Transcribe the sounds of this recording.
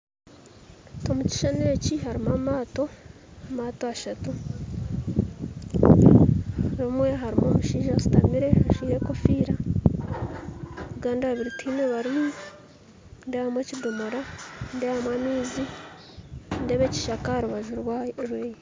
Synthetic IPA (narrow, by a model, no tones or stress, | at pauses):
tomuci̥ʃaneːciɦaɾimamaːto̞ | maːtoaʃatu | ɾimwe̞ɦaɾimomuʃiːʒasu̥tamiɾe̞haʃiːɾe̞ko̞fiːɾa | uɡaːndaββiɾitʰiːneβaɾi | ndeβamweːcidomoɾandeβamwamiːzi | nde̞βe̞ci̥ʃakahaɾuβaʒuɾwɾweːje